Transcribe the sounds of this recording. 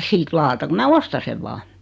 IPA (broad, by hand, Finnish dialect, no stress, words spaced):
siːt lɑːtɑ ku mæː ostɑ seʋ ʋɑː